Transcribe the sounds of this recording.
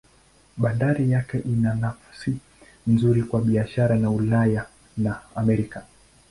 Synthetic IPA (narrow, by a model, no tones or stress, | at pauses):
ɓandaɾijakɛʔinanafḁsi | nzuɾikwaɓiaʃaɾanaulaja | naamɛɾika